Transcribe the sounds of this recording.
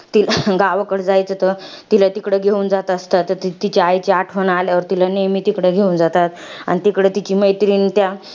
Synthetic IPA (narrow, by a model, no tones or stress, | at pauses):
t̪ilɡaʋəkəɽd͡zajt͡sət̪ət̪ilat̪ikɽeɡʱeund͡zat̪əst̪at̪ːət̪it̪it͡ɕaajt͡ɕeaʈʰʋəɳaljaʋəɾt̪ilanejmiːt̪ikɽeɡʱeund͡zat̪at̪a̰ɽ̃nit̪ikɽet̪it͡ɕiːməjt̪ɾiːnt̪ja